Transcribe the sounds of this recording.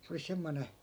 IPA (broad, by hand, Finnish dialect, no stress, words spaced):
se oli semːone